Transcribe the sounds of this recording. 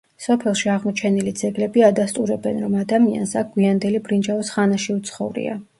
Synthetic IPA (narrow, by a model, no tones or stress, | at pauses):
sɔpʰɛlˠʃiaʁmɔt͡ʃʰɛnilid̪zɛɡlɛbiad̪ast̪ʼuɾɛbɛnɾɔmad̪amia̰nsak̚ɡwiand̪ɛlibɾind͡ʒavɔsχanaʃiut̪sʰχɔvɾḭa̰